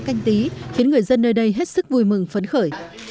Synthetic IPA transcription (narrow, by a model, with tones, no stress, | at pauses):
ka˧jŋ̟t̪i˨˦xi˨˦ənŋɨ˨˩əjzə˧nːəː˧jɗə˧jɦe˦˥t̚sɨ˦˥k̚vu˧˩jmɨ˨˩ŋfə˨˦nxəː˧˩j